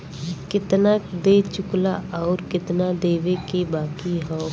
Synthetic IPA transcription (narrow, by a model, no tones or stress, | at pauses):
kɪt̪nabeːt͡ʃʊklaʔɔːɾkɪt̪nad̪eːʋekebaːkiɦɔː